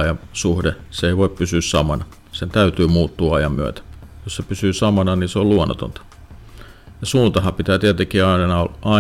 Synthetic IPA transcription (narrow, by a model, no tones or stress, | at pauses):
jɑsuhdeseeiʋoippysyːssɑmɑnɑ | sent̪æyt̪yːmuːt̪ːuːɑjɑmmyø̰t̪æ̥jossepysyːsɑmɑnɑniːseoluonːˑot̪o̰nt̪ɑ̥ | jɑsuːnt̪ɑhɑpit̪æːt̪iæt̪eŋkiɑinnɑɑ